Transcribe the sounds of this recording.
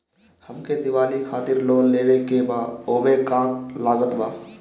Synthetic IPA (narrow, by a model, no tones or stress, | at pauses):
həmked̪ɪʋaːlikʰaːt̪ɪɾloːnleːʋekebaːoːmekãːklaːɡət̪baː